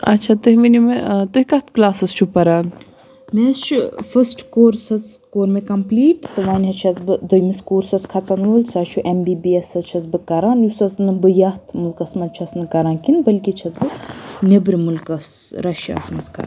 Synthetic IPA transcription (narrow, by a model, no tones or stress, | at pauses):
ɐ̰tːt͡ʃʰat̪uɦiminimet̪ohikɐht̪klaːsɐzt͡ʃʰupɐɾaːn | mest͡ʃʰufɐsʈkoːɾsɐzkoːɾmekɐmpliːʈt̪ɨʋaːnʲɦɐt͡ʃʰɐzbɨd̪ojmiskuːɾsɐskʰɐt͡sɐnuːlʲsaːt͡ʃʰuʔembiːbiesɐzt͡ʃʰɐzbɨkɐɾaːnjusɐsnɨbɨjɐht̪ʰmulkɐsmɐt͡ʃʰɐsnɨkɐɾaːnkinbɐlʲkʲit͡ʃʰɐzbɨnʲebɾʲmulkɐs | ɾɐʃa̰ːsmɐskɐ̰ɾ